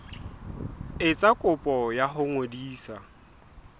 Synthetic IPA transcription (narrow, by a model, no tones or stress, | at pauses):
ɪt͡sʼakʼʊpʼɔjaɦʊŋodiːsa